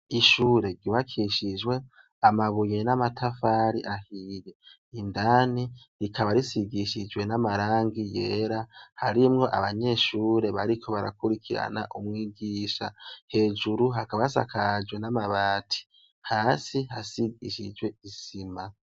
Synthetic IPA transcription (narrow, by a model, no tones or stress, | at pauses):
iʃuːɾe̞ɾɟiβakʰiʃid͡ʒwe̞ | amaβuje̞namatʰafaːɾiʔahije | indaːni | ɾikaβaɾisiɡiʃid͡ʒwe̞namaɾaːŋɡije̞ːɾahaɾimŋo̞ʔa̰βaɲe̞ːʃuːɾe̞βaɾikʰo̞βaɾa̰kuɾikʰiɾa̰na̰ʔumŋiːɡiːʃa̰he̞ːd͡ʒuɾuɦakaβasa̰kad͡ʒwe̞namaβaːtʰi̥ | haːsihasiɡiʃid͡ʒwe̞izima